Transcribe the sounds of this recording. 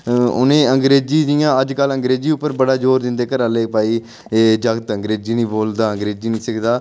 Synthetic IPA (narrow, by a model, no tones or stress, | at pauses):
ʊ̰nẽːəŋɡɾeːd͡ʒiːd͡ʒ̪ĩjãːəd͡ʒkələŋɡɾeːd͡ʒiːʊpːəɾbəɽaːd͡ʒoːɾd̪ɪnd̪eːkəɾaleːpaːiː | d͡ʒəɡt̪əŋɡɾeːd͡ʒiːnĩːboːld̪aːəŋɡɾeːd͡ʒiːnĩːsəkʰd̪aː